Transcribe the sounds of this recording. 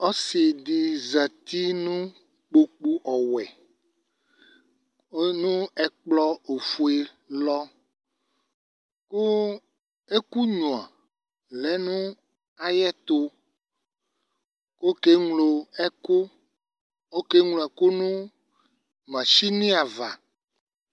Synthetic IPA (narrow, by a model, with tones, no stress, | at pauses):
ɔ˦si˨di˨za˨t̪i˦nũ˦ | k͡po˨k͡pu˦ʔɔ˨wɛ˨˦ | nũ˦ɛ˨k͡plɔ˦o˨fu˨e˨ | lɔ˦ | ko˦ | e˦ku˦ɲũ˨a˨ | lɛ˨˦nũ˦ | a˨jɛ˦t̪o˦ | ko˦ke˦ŋlo˨ɛ˦ko˦ | o˦ke˦ŋlo˨ɛ˨ko˦nũ˦ | mã˨ʃi˦nĩ˦a˨va˨